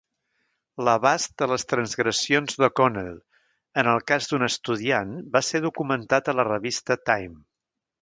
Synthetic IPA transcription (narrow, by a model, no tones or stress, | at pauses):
ləβast̪̚d̪ələst̪ɾənzɣɾəsionzðəkɔnelˠ | ənəlˠkazd̪unəst̪uðianbaseðukumənt̪at̪ələrəβist̪ət̪ajm